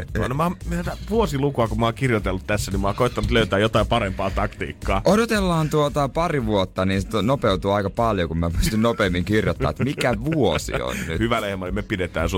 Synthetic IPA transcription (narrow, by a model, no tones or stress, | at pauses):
ɑ̰nomɑmmt̪æt̪æʋuosilukuɑkumɑːŋkirjot̪elːut̪t̪æsːænimmɑːkoˑet̪ːɑnut̪løyt̪æːjot̪ɑˑipɑɾempɑːt̪ɑkt̪ḭːkːɑːodot̪elːɑːnt̪uot̪ɑpɑriʋuot̪ːɑniːnst̪nopeut̪uːɑikɑpɑljokumæpyst̪ynnopeːmːiŋkirjot̪ːɑ̰ːet̪mikæʋuo̰sḭo̰nny̰hyʋælehmɑlimepidet̪æ̰ːnsu